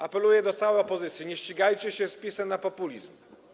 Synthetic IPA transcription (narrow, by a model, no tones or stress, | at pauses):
apɛlujɛd̪ɔt̪sawɛjɔpɔzɘt̪sʲjiɲɛɕt͡ɕiɡajt͡ɕɛɕɛspʲisɛmnapɔpulʲizm